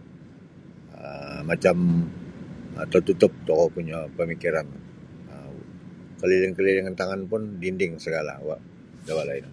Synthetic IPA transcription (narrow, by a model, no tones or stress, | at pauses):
əːat͡ʃam | a̰t̪at̪ut̪ʊp̚t̪okɔpuɲapəmikiɾan | ə | kəlilɪŋkəliliŋnt̪aŋanpʊndindɪŋsəɡala̰waʔ | dawalaɪna